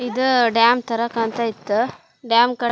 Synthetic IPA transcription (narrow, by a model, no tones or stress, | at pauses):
id̪uɖjaːmt̪ɐɾɐkɐnt̪ɐit̪ːu | ɖjaːmkɐ